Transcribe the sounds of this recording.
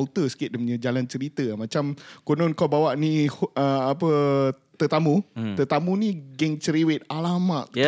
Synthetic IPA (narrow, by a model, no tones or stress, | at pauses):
lt̪əsə̥kɪt̪̚dəmɲəd͡ʒalant͡ʃəɾit̪əamãt͡ʃamkonɔnkawbawaʔniəapə | t̪ət̪amũt̪ət̪amũniɡɛŋt͡ʃəɾiwet̪̚alamaʔ̪̚